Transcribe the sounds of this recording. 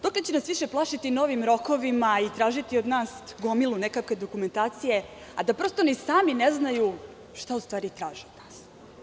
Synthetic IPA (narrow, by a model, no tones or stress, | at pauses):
d̪oklet͡ɕenasʋiʃe̞plˠaːʃit̪ino̞ʋimɾo̞ko̞ʋimait̪ɾaːʒit̪io̞d̪naːsɡo̞milˠunekake̞d̪o̞kume̞nt̪aːt̪sije̞ | ad̪apɾo̞st̪onisaːmineznaju | ʃt̪aust̪ʋaːɾit̪ɾaːʒeod̪naːs